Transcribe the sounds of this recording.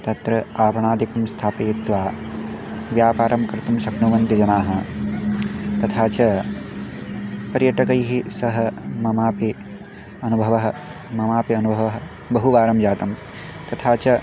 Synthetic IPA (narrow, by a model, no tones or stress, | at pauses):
t̪ɐt̪ɾɐaːpɐɳaːd̪ikɐmst̪ʰaːpɐjit̪ʋaː | ʋjaːpaːɾɐmkɾɪt̪umsɐknuʋɐnt̪id͡ʒɐnaːɦɐ | t̪ɐt̪ʰaːt͡ʃɐ | pɐɾjɐʈɐkɐjɦisɐɦɐmɐmaːpi | ɐnubʱɐʋɐɦɐ | mɐmaːpiɐnubʱɐʋɐɦɐ | bɐɦuʋaːɾɐmd͡ʒaːt̪ɐm | t̪ɐt̪ʰaːt͡ʃɐ